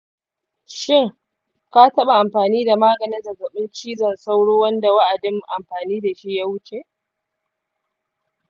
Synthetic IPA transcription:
ʃɪ˦˨ŋ | ka˦tɐ˦ɓa˨ʔa˨mɸaː˨niː˦da˨maː˦ɡɐ˨nɪ˦zɐ˨zɐ˨ɓɪ˦nt͡ʃiː˦zɐ˨nsa˦wɽoː˦wɐ˦nda˨wa˦ʔa˨dɪ˦m˨ʔa˨mɸaː˨niː˦da˨ʃi˦ja˦wʊ˦t͡ʃe˨ʔ

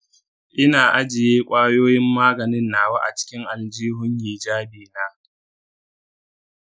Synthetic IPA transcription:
ʔɪ˦naː˨ʔa˦d͡ʒɪ˨jeː˦kʷʼaː˦joː˦jɪ˦mːaː˦ɡɐ˨nɪ˦nːaː˨waː˦ʔa̰˨t͡ʃɪ̥˦kʲɪ˦ŋʔa˨ld͡ʒiː˦ɦʊ˦ɲjiː˨d͡ʒaː˦beː˨naː˦

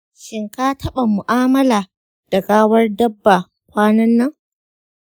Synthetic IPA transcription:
ʃɪ˦ŋkaː˦tʰɐ˦ɓa˨mʊ˨ʔaː˦mɐ˦laː˨ | d̥ɐ˨ɡʼaː˦wɐ˦rdɐ˦bːa˨ | kʷaː˦nɐ˦nːɐ˦ŋ

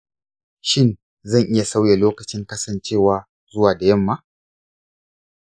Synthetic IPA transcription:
ʃɪ˦˨n | zɐ˦˨ŋʔɪ˦ja˨sa˦wja˨loː˦kɐ˨t͡ʃɪ˦ŋkɐ˦sɐ˨nt͡ʃeː˦˨waː˦ | zʊ˦waː˨da˨jɐ˦˨mːa˦

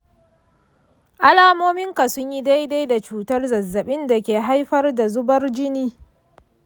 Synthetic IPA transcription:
ʔa˦laː˨moː˦mɪ˦ŋka˨sʊ˦ɲji˦da˦jda˦jda˨t͡ʃuː˦tɐ˦rzɐ˨zːɐ˨ɓɪ˦nda˨kʲeː˨ɦa˦jɸɐ˦rda˨zʊ˦bɐ˦rd͡ʒɪ˦niː˦

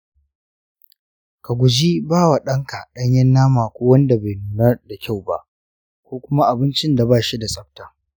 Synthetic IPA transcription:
ka˨ɡʷʊ˨d͡ʒi˦baː˦wa˨ɗɐ˦ŋka˨ɗɐ˦ɲjɐ˦nːaː˦maː˨kʷoː˦wɐ˦nda˨ba˨jnuː˨nɐ˦rda˨kʲa˦˨wba̰˦ʔ | kʷoː˦kʷʊ˦ma˦ʔa˨bɪ˦nt͡ʃɪ˦nda˨baː˦˨ʃi˦da˨sʼɐ˦ɸ̚taː˨

